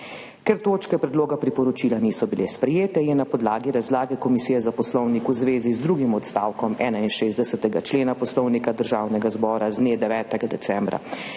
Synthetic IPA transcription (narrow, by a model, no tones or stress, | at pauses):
kɛɾt̪oːt͡ʃkɛpɾɛd̪loːɡapɾipɔɾɔt͡ʃilaniːsɔbilespɾɛjeːt̪ɛjɛnapɔd̪laːɡiɾazlaːɡɛkɔmisijɛzapɔslɔwnikuzʋeːzizd̪ɾuːɡimɔt̪st̪awkɔmɛ̰ːnainʃeːzd̪ɛsɛt̪ɛɡat͡ʃleːnapɔslɔwnikad̪əɾʒaːwnɛɡazbɔːɾazd̪neːd̪ɛʋɛːt̪ɛɡad̪ɛsɛmbɾa̰